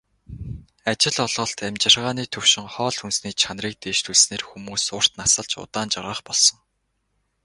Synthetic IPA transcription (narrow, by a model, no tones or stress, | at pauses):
at͡ɕɪ̆ɮɔɮʁɞ̆ɬt̪æmt͡ɕɪ̆rʁaːniːt̪ʰɵw̥ʃɪ̆ŋχɔːɮxunsniːt͡ɕʰanriːk̚t̪eːʃt̪ʰuɮsneːrxumuːsʊːr̥t̪nasə̆ɮt͡ɕʊ̰t̪aːnt͡ɕaʁəːχpɔɮsɞ̆ŋ